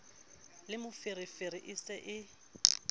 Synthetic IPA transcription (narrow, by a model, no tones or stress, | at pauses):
lɪmʊfɪɾɪfeɾɪʔɪsɛʔɪ